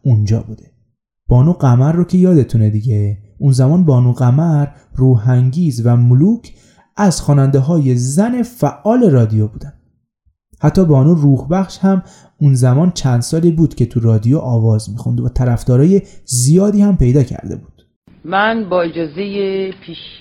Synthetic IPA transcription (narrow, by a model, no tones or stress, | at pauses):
und͡ʒɒ̰ːbuːd̪̥e̞ | b̥ɒːnuːɢæmæɾːocʰe̞jɒːd̪e̞t̪ʰuned̪iɟeunzæmɒːnbɒːnuːɣæmæɾ | ruːɦæŋɟiːzvæmoluːcʰ | ʔæz̥xɒːnænd̪eɦɒːje̞zæne̞fæʔːɒːle̞ɾɒːd̪ijobuːd̪æm | hæt̪ʰːɒːbɒːnuːruːhbæxʃhæm | unzæmɒːnt͡ʃʰænd̪sɒːliːbuːd̪̥cʰe̞t̪ʰuɾɒːd̪ijoʔɒːvɒːzmiːxṵnd̪væt̪ʰæɾæfd̪ɒːɾɒːje̞zijɒːd̪iːhæmpʰe̞jd̪ɒːcʰæ̰ɾd̪ḛbuːd̪̥ | mænbɒːed͡ʒɒːzejepʰiʃ